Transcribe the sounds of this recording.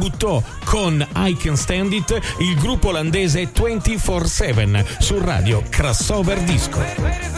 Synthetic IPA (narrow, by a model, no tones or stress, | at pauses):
but̪ːɔ | kʰonajkɛnst̪ɛnd̪it̪ilɡɾupːoland̪eːzet̪ːwɛnt̪ifɔrsɛvɛnsura̰ːd̪jokɾasɔːverd̪iskʰo̰